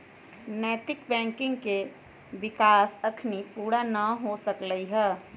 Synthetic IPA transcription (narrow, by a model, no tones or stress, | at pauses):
nət̪ɪkbɛ̃ːŋkɪ̃ŋɡke | bɪkaːsəkʰnipuːɽanəɦosəkləiɦɛː